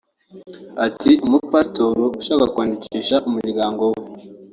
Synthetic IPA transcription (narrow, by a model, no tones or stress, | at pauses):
atʰimupastoɾuuʃaːkakwaːndiciːʃaʔumuɟiɡaːŋɡo̞we